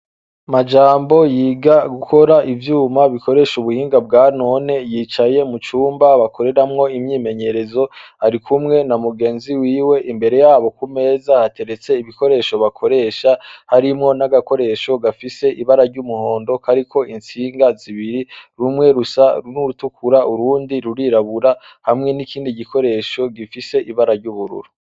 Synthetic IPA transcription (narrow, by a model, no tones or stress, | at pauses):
mad͡ʒaːmbo̞jiːɡaɡuko̞ɾaʔivjuːmaβiko̞ɾe̞ːʃuβuhiːŋɡab̚ɡaːno̞ne̞jiːt͡ʃaje̞mut͡ʃuːmbaβakʰo̞ɾe̞ɾamŋo̞imɲiːme̞ɲe̞ɾe̞zo̞ | aɾikʰumŋe̞namuɡe̞ːnziwiːwe̞ʔimbe̞ɾe̞jaːβo̞kume̞ːzahate̞ɾe̞t͡se̞iβiko̞ɾe̞ːʃoβakʰo̞ɾe̞ʃahaɾimŋo̞naɡako̞ɾe̞ʃo̞ɡafise̞ʔiβaɾaɾɟumuho̞ːndo̞kʰaɾikʰo̞int͡siːŋɡaziβiɾiɾumŋe̞ɾusanuɾutukʰuɾaʔuɾuːndiɾuɾiɾaβuɾa | hamŋe̞nikiːndiɟikʰo̞ɾe̞ʃo̞ɡifise̞ʔiβaɾaɾɟuβuɾṵɾu̥